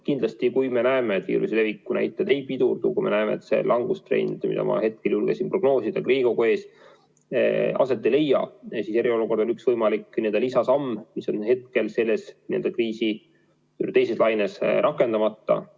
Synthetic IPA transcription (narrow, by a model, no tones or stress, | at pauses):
kind̪lɑst̪ikujme̞næemeːt̪vḭːɾusile̞vikːunæ̰jt̪ːˑed̪ejpid̪urd̪̥ukujme̞næeme̞̰ḛt̪se̞̰lʔɑŋɡ̥ust̪re̞̰jnʲd̪mḭ̥ɑ̰mʔɑ̰he̞t̪̚keljulɡ̥esimpro̞ɡ̥no̞ːsid̪̥ɑkriːɡ̥o̞koeːs | ɑ̰se̞t̪ːele̞jːɑ̰sise̞ɾio̞luko̞rd̪onyksvɤjmɑlikːniend̪ɑlisɑsɑmːmiso̞nhe̞t̪̚ke̞lse̞lːe̞snie̞ld̪ɑkriːsi | yt̪e̞jse̞slɑjnesɾɑkːˑe̞nd̪̥ɑmɑt̪ːɑ̰